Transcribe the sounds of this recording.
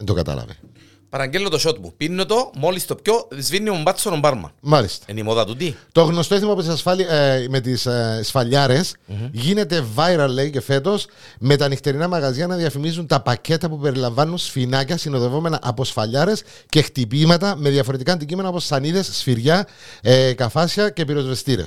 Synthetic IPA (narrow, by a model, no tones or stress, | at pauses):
end̪okɐ̰t̪ɐ̰lɐ̰vḭ | pɐɾɐɲɟelːot̪oʃot̪̚pṵpinːot̪omo̞list̪op̚cozvinːiombɐt͡sːonombɐɾmɐ̰mɐlist̪ɐ̥enimoðɐt̪ut̪it̪o̞ɣno̞st̪oiθimɐput̪isɐsfɐlime̞t̪issfɐʎːɐɾe̞sʝine̞t̪e̞vɐjɾɐlːe̞ice̞fe̞t̪o̞s | me̞t̪ɐnixt̪e̞ɾinɐmɐɣɐziɐnɐðiɐfimizunt̪ɐpɐce̞t̪ɐpupe̞ɾilɐɱvɐnːunsfinɐcɐsino̞ðe̞vo̞me̞nɐʔɐpo̞sfɐʎːɐɾe̞s | cext̪ipimɐt̪ɐme̞ðjɐfoɾe̞t̪ikɐːnd̪icime̞nɐoposːɐniðe̞sːfiɾʝɐ | kɐfɐsçɐce̞piɾo̞zve̞st̪iɾḛs